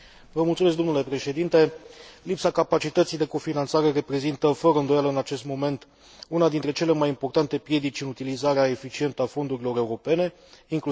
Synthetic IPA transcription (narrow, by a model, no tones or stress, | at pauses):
vəmult̪sumeskd̪o̞nule̞pɾe̞ʃe̞d̪int̪e̞lipsakapat͡ʃit̪ət̪sijd̪e̞ko̞finant̪saɾe̞re̞pɾe̞zint̪əfəɾəɨnd̪o̞jaləɨnat͡ʃe̞st̪mo̞me̞nt̪ | unad̪int̪ɾe̞t͡ʃe̞le̞majimpo̞rt̪ant̪e̞pɾje̞d̪it͡ʃɨnut̪ilizaɾeae̞fit͡ʃie̞nt̪əafo̞nd̪uɾilo̞ɾe̞uɾo̞pe̞ne̞ | iŋklu